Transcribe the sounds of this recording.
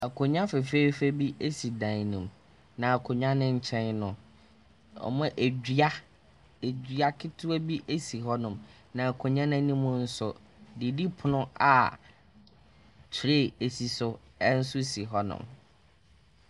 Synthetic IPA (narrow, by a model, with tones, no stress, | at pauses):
æ˨kʰo˨ɲã˦fɛ˨fe˦fe˦bi˦ʔe˦si˨dã˨n˨nĩ˨m | nã˨a˨kʰʊ˨ɲã˦nɪ̃˦ɲ̩˨t͡ɕʰɛ̃˦nnʊ̃˨ | ɔ̰˨mã˦ʔe˨˦a˦ | e˨d͡ʑᶣɥa˦kʰɪ˦tʰʊ˦ɛ˦bi˦ʔe˦si˨ɦɔ˦nʊ̃˨m | nã˨æ˨kʰo˨ɲã˦nã˦nĩ˦mʊ̃˦n̩˦sʊ˨ | di˨di˦pʰʊ˨nʊ̃˦a˨ | tʰɾe˦˨e˨si˨sʊ˦ | ɛ˦n̩˦sʊ˦si˨ɦɔ˦nʊ̰̃˨m